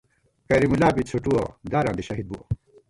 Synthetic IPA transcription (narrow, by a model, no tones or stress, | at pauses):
kɐɾimulaːpit͡sʰoʈuwo̰d̪aːɾãːnd̪iɕɐɦid̪̚buwo̰